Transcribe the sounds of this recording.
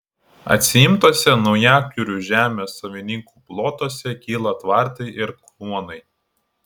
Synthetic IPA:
ɐ̰t̪ʲsʲɪjɪmt̪oɔsʲɛnɒʊjæˑk̚kʲuɾʲuˑʒʲæːmʲeːsːɐʋʲɪnʲɪŋkuːplˠoːt̪oːsʲɛkʲiːlˠɐt̪ʋɑˑɾt̪ɐɪʔɪɾklˠuɔnɐɪ

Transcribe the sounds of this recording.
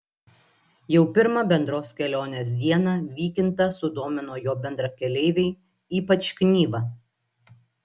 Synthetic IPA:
jɛʊpʲɪɾmɐbʲɛnd̪ɾoːskʲɛlʲoːnʲeːs̬d̪ʲiɛnɐʋʲiːkʲɪnt̪ɐsʊd̪oːmʲɪnoːjoːbʲɛnd̪ɾɐkʲɛlʲɛɪʋʲɛɪ | iːpɐt͡ʃknʲiːʋɐ

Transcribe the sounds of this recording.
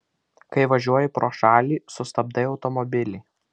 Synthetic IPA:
kɐɪʋɐʒʲuɔjɪpɾoːʃɑːlʲiːsʊst̪ɐb̚d̪ɐɪɒʊt̪ɔmɔbʲɪlʲɪɪ

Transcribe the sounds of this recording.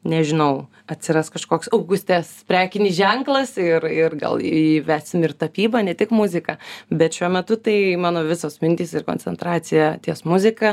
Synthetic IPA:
nʲɛʒʲɪnɐʊ | ɐt̪ʲsʲɪɾɑskɐʃkoːksɐʊɡʊsʲt̪ʲɛspʲɾʲæːkʲɪnʲiːʒʲɛŋklˠɐsɪrɪrɡɐ̰l̰ˠiʋʲæːsʲsʲɪmɪrt̪ɐpʲiːbɐnʲɛt̪ʲɪkmʊzʲɪkɐbʲɛt̪ʃʲuɔmʲɛt̪ʊt̪ɐɪmɑːnoːʋʲɪsoːsmʲɪnʲt̪ʲiːsɪrko̰ːnʲt͡sʲɛnt̪ɾɑːt͡sʲɪjɛt̪ʲiɛsmʊzʲɪkɑ

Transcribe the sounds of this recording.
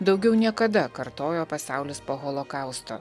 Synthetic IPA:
d̪ɒʊɡʲɛʊnʲiɛkɐd̪ɐkɐɾt̪oːjoːpɐsʲɑˑʊlʲɪspoːɣɔlˠokɑˑʊst̪o̰ː

